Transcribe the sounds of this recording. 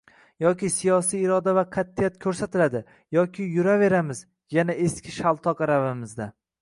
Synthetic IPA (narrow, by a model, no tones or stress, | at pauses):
jɒkʲɪsijɒsijɪɾɒd̪avaqʰat̪ʰːɪjat̪kʲʰɵɾsat̪ʰɪlad̪ɪ | jɒkʲʰɪjʊɾave̞ɾamɪz | janae̞skʲʰɪʃalˠt̪ʰɒqɾavɪmɪzd̪a